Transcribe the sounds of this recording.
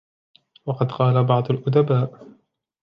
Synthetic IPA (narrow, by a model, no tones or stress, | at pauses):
wɑqɑd̪qɑːlabɑʕd̪ˤʊlʔʊd̪abaːʔ